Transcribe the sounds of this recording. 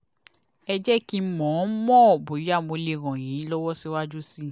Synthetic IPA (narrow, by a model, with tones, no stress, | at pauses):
ɛ˧d͡ʒɛ˦ki˧˦mɔ̃˨˦mɔ̃˦˨bo˨ɾi˨˦a˦˨mo˧le˧˨ɾɔ̃˨jĩ˨˦lɔ˦wɔ˦si˦wa˦d͡ʒu˦si˦